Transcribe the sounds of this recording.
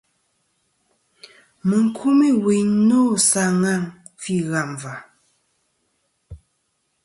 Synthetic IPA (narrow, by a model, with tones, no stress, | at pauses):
mə˨ŋ˦kʰu˦mi˦˨we˨noː˦˨sa˨ŋa˦˨ŋ | fi˦˨ɣa˨mva˨